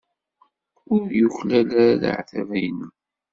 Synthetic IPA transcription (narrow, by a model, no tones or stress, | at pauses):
ʊɾjuçlælæðə̰ʕθævæjnəm